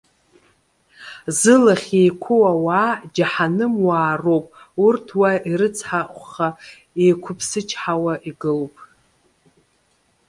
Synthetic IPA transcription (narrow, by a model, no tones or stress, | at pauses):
zɨlaχʲe̞jkʷʰʊwawaːd͡ʒaħanɨmwaːrowpʼ | urtʰwaiɾɨt͡sʰħaχʷχa | ejkʷʰʊpʰsɨt͡ʃʰħawaʔiɡɨlpʼ